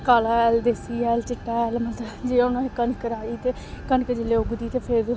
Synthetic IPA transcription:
kaːlaːɛːld̪esiːɛːlt͡ʃɪʈːaːɛːlmət̪ləd͡ʒeːonõːekənkəɾaːiːt̪eː | kənked͡ʒeleːʊɡd̪iːt̪eːpʰɪɾ

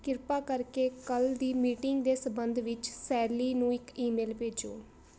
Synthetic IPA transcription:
kɪɾpaːkəɾkeːkəld̪iːmiːʈɪŋɡd̪eːsəbənd̪ʋɪt͡ʃsɛːɾliːnũːɪkiːmeːlpeːd͡ʒo̰ː

